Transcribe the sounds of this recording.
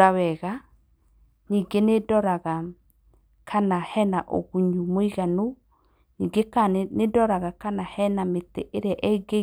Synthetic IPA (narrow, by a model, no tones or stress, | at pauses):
awɛɣa | niɡenedɔɾaɣa | kʰanahɛnaʔo̰ɣuɲumoiɣano | niːɡekanedɔɾaɣakanahɛnameteʔeɾeaʔɛɡe